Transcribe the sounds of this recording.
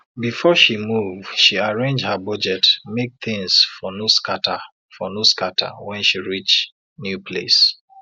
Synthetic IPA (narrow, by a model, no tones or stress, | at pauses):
bifɔʃimuvdʃiaɹẽnd͡ʒhabɔd͡ʒɛtmek̚θɪ̃ŋsfɔnoskata | fɔnoskatʰa̰wɛ̃nʃiɹit͡ʃ | njupʰlḛs